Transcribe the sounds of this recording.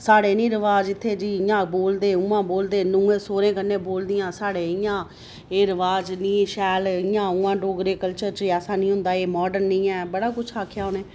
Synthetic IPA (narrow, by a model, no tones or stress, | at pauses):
saːɽeːnĩːɾəʋaːd͡ʒɪt̪ʰːeːd͡ʒiːɪjãːboːld̪eːʊːãːboːld̪eːnũːẽːsoːɾẽːkənːẽːboːld̪ɪjãːsaːɽeːɪjãː | eːɾəʋaːd͡ʒnĩːʃɛːlɪjãːʊːãːɖoːɡɾeːkəlt͡ʃəɾt͡ʃɛːsãːnĩːɦʊ̃nd̪aːeːmɔːɖəɾnĩːɛːbəɽaːkʊt͡ʃʰaːkʰjaːʊːneː